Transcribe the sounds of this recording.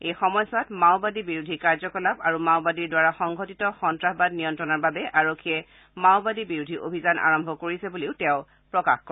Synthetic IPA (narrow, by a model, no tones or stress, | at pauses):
ejxɔmɔjsatmaʊbadibiɹudʱikaɹzɔkɔlabaɹumaʊbadiɹdwaɹaxɔŋɡʱotitɔxɔntɹaxbad̚nijɔntɹɔnaɹbabɛʔaɹokʰːiɛ | maʊbadibiɹudʱiʔo̰bʱizanʔa̰ɹɔmbʱɔkoɹisɛbuliʊtɛʊ̃ | pɹɔka̰xkɔ